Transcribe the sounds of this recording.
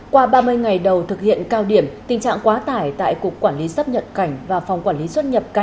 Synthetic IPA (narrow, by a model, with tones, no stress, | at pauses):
kwaː˧ɓaː˧mɨ˧əjŋa˨˩jɗə˨˩wt̪ʰɨ˨˩k̚hḭ˧˨ənkaː˧wɗi˧˩əmt̪ï˨˩ŋ̟t͡ɕa̰ː˧˨ŋkwaː˨˦t̪aː˧˩jt̪a̰ː˧˨jku˨˩əkwaː˧˩nli˨˦sə˦˥p̚ɲə̰˨p̚ka˧˩jŋ̟vaː˨˩fwŋ͡mkwaː˧˩nli˨˦swə˦˥t̚ɲə˨˩p̚ka˧˩